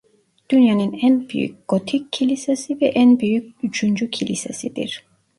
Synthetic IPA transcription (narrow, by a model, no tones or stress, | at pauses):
d̪̥ynjanɯnænby̰jy̰c̚ɡ̥ot̪ʰicʰːilʲisesivɛʔænbyjyc̚yt͡ʃʰynd͡ʒycʰilʲisḛsid̪ḭɾ̥